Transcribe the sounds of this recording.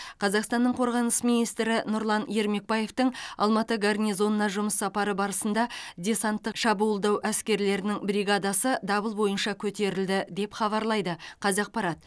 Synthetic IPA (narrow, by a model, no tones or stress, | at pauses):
qʰɑzɑqst̪ɑnːəɴqʰo̞ɾʁɑnəsmijnijst̪ɾɪnʊɾlˠɑnje̞ɾme̞k̚baje̞ft̪əɴɑ̰lˠmɑt̪əɡɑrnʲijzo̞nːɑʒʊməsːɑpɑɾəbɑɾəsənd̪ɑd̪ʲe̞sɑnt̪ːəqʃɑbuːəlˠd̪ɑwʔæskʲe̞ɾle̞ɾɪnɪŋbɾiɡad̪ɑsəd̪ɑbəlˠbo̞jənʃɑkʲʰɵt̪e̞ɾɪld̪ɪd̪e̞pχɑβɑɾlˠɑjd̪əqʰɑzɑq̚pɑɾɑt̪̚